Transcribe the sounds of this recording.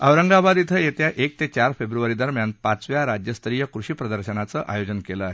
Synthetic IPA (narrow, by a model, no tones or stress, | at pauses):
əʋɾəŋɡabad̪it̪ʰəjet̪jaʔek̚t̪et͡ɕaɾfebɾuʋaɾid̪əɾmjanpat͡sʋjaɾad͡ʑjəst̪ɾijəkɾuɕiːpɾəd̪əɾɕənat͡səʔa̰jod͡zənkeləaɦe